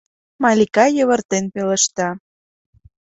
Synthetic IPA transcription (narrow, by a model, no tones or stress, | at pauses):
mɑlʲikɑjə̆βə̆rt̪enpelə̆ʃt̪ɑ